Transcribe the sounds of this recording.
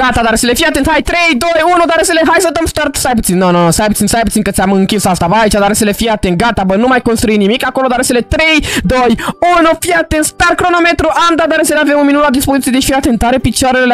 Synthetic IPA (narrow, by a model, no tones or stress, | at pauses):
ɡat̪ad̪aɾselefiat̪ent̪hajt̪ɾe̞jd̪o̞junud̪aɾeseleɦajsəd̪əmst̪art̪sajp̬ut̪sinːononosajp̬ut̪sinst̪ajput̪sinkət̪sʲaməɨŋkʲisast̪abəait͡ʃad̪aɾeselefiat̪ent̪ɡat̪abənumajko̞nst̪ɾuinimikako̞lod̪aɾeselet̪ɾe̞jd̪o̞junufiat̪ent̪st̪arkɾo̞no̞met̪ɾuʔamd̪ad̪aɾeseleavemunminunlad̪ispozit̪ijd̪efiat̪ent̪aɾepit͡ʃaɾele